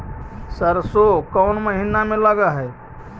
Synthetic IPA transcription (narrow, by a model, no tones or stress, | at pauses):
səɾsokəʊnməɦinameləɡəɦɛj